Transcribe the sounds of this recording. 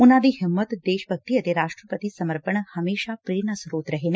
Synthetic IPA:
unad̪iɦɪmːət̪d̪eʃbʱək̚t̪iət̪eɾaʂʈɾəpət̪isəməɾpəɳhəmeʃapɾeɾnəsɾoːt̪ɾəɦene

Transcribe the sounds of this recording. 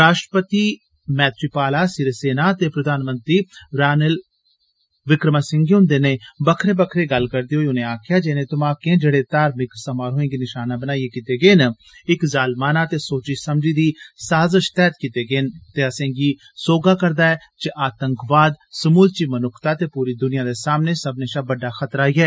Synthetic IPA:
ɾaːʃʈɾəpət̪iː | mɛːt̪ʰɾiːpaːlaːsɪɾeseːnaːt̪eːpɾəd̪ʱaːnmə̃nt̪ɾiːɾaːnəl | ʋɪkɾəmaːsɪ̃ŋɡiɦʊ̃nd̪eːneːbəkʰɾeːbəkʰɾeːɡəlkəɾd̪iːɦoːiʊnẽːaːkʰɪjaːd͡ʒeːnẽːt̪ʊmãːkẽːd͡ʒeːɽeːt̪aːɾmɪkɾsəmaːɾɦoːẽːɡiːnɪʃaːnaːbənaːieːkit̪eːɡeːn | ɪkzaːlmaːnaːt̪eːsoːt͡ʃiːsəmd͡ʒiːd̪iːsaːzəʃt̪ɛːt̪kit̪eːɡeːnt̪eːəsẽːɡiː | soːɡaːkəɾd̪aːɛː | t͡ʃeʔaːt̪ə̃ŋkʋaːd̪səmuːlt͡ʃiːmənʊkʰt̪aːt̪eːpuːɾiːd̪ʊnɪjãːd̪eːsaːmneːsəbnẽːʃaːbəɖːaːxət̪ɾaːiːɛː

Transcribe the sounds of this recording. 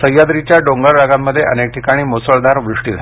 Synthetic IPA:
səjad̪ɾit͡ɕjaɖoŋɡaɾɖaɡamːəd̪ʱːjeʔənek̚ʈʰikaɽ̃iːmosəɭd̪aɾʋɾuʂʈiːd͡zʱa

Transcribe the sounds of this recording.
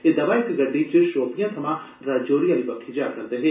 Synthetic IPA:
eːd̪ɐʋaːɪkɡəɖiːt͡ʃəʃoːpɪjãːsʰəmãː | ɾaːd͡ʒoːɾijãːliːbəkʰːed͡ʒaːkəɾd̪eːɦɛː

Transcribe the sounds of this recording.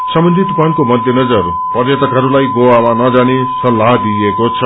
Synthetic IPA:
sʌmbʌnd̪ʱit̪upankomʌd̪ʱjenʌd͡zʌɾr | pʌrjʌt̪ʌkɦʌɾulajɡowamanʌd͡zane | sʌlːaɦd̪iekot͡sʰʌ

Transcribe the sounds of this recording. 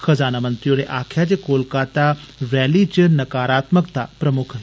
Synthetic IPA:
xɐzaːnamɐnt̪ɾijoːɾeʔaːkʰjat͡ɕekoːlkaːt̪aɾɛːlit͡ʃənɐkaːɾaːt̪məkt̪apɾɐmʊkʰ

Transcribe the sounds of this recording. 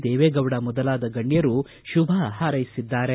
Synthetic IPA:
d̪eːʋeːɡɐwɽɐmɔd̪ɐlaːd̪ɐɡɐɳːijɐɾu | ʃubʱaɦaːɾɐjisid̪ːaːɾe

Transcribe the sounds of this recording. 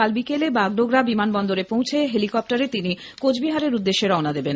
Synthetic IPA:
albikelebaɡɖoɡɾabimanbɔnd̪oɾepõwt͡ɕʰeɦelikɔp̚ʈaɾet̪ini | kod͡ʑbiɦaɾeɾud̪ːeʃːeɾɔonad̪eben

